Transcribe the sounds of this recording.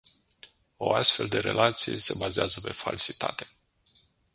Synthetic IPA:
o̞ast̪fe̞ld̪e̞ɾe̞̰lʔat̪sijḛse̞bazeazəpe̞falsit̪a̰t̪e̞̥

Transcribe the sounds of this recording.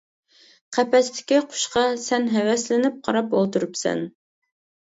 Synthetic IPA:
qʰæpɛst̪ʰɪ̥kʲiqʰʊ̥ʃqɑsɛnɦɛwɛslɪnɪp̚qʰɑɾɑpolˠt̪uɾɨpsɛ̰n

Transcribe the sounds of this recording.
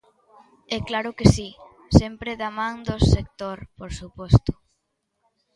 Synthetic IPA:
ɛklaɾʊkesi | sɛmpɾeðamãŋd̪osekt̪oɾpoɾsupɔst̪ʊ̥

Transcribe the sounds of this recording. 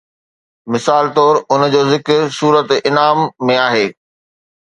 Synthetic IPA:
mɪsaːlt̪ɔːɾʊnd͡ʑoːzɪkɾsuːɾət̪ɪnaːmːẽaːɦeː

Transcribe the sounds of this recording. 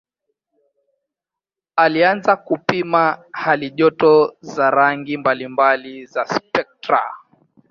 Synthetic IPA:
alianzakupimahaliʄɔtɔzaɾaŋɡimbalimbalizaspɛk̚tɾa̰

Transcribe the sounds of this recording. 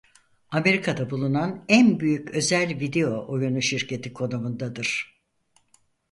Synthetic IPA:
ame̞ɾikʰad̪abulˠunanænbyjycø̞zælʲvid̪e̞jo̞ʔojunuʃiɾcʰe̞t̪ʰikʰo̞nomund̪ad̪ɯɾ̥

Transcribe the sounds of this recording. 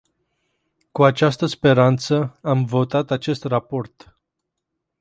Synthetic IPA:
kuat͡ʃast̪əspe̞ɾant̪səamvo̞t̪at̪at͡ʃe̞st̪rapo̞rt̪

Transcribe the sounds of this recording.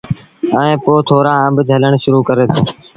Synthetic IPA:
əːẽːpoːt̪ʰoːɾãːə̃mbd͡ʒ̪ʱələɳʃʊɾuːkəɾeːt̪ʰõː

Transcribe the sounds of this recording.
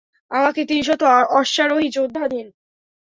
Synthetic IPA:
amaket̪inʃ̬ɔt̪oɔʃːaɾoɦid͡ʑod̪ʱːad̪ʱin

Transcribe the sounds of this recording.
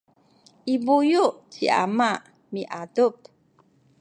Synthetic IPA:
ʔibujuʔt͡ɕiʔa̰maʔ | miʔadup

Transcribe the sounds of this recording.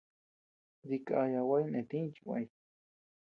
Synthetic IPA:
ɾikaajawajnet̪ĩt͡ʃiwa̰j

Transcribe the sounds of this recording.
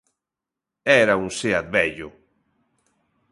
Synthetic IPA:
ɛɾauŋseat̪̚βɛʎʊ

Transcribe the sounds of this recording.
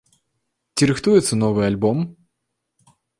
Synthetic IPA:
tʲɪɾɨxt̪ujɪt̪sːənovɨjɐlʲbom

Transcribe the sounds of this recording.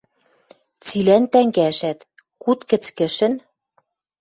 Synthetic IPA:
t͡silænt̪æŋɡæʃæt̪ | kut̪kɘ̆t͡skɘ̆ʃɘ̆n

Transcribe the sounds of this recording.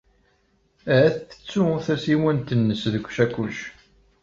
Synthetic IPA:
æθə̥t͡sːuθæsiwənt̪ənːəsðəkʷːʃækːuʃ

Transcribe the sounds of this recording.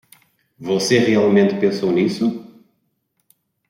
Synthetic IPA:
voseʁialˠmẽnt̪pẽsownisʊ

